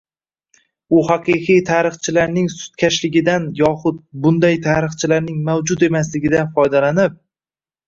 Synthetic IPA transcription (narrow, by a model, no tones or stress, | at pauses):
ʊhɑqʰɨqʰijt̪ʰaɾɨχt͡ʃʰɪlaɾnɪŋsʊ̥t̪̚kʲʰaʃlɪɡʲɪd̪anjɒχʊd̪̚bʊnd̪ajt̪ʰaɾɨχt͡ʃʰɪlaɾnɪŋmawd͡ʒʊt̪e̞maslɪɡʲɪd̪anfɒjd̪alanɪp̚